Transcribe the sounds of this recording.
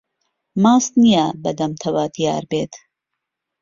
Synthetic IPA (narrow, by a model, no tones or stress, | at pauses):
maːst̪nijabɐd̪ɐmt̪ʰɐwaːt̪ijɑ̰ːɾbeːt̪